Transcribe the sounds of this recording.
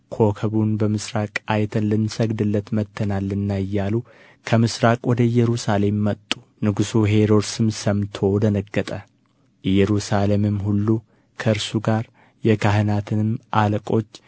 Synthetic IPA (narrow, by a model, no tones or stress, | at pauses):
kʰo̞kʰəβunbəmɨsɾakʼajt̪ʰənlɨnsəɡd̪ɨlːət̪mət̪ʰːənalːɨnːaɨjːalu | kʰəmɨsɾakʼwɔd̪əjːɛɾusale̞mːət̪ʼːu | nɨɡusuɦe̞ɾo̞ɾsɨmsəmt̪ʰo̞wd̪ənəɡːət̪ʼə | jːɛɾusalemɨmːhulːu | kʰəɨɾsuɡaɾ | jɛkʰaɦɨnat̪ʰɨnɨmʔaləkʼo̞t͡ʃː